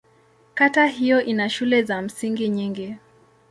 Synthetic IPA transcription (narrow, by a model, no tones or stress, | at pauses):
kataɦijɔʔinaʃulɛzam̩siŋɡiɲiŋɡi